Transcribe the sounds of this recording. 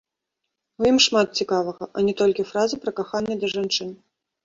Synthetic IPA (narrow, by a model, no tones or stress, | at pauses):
ujimʂmat̪t͡sʲikavɐɣɐʔɐnʲɛt̪ɔlʲkʲifɾazɨpɾɐkaxanʲːɛd̪ɐʐant͡ʂɨn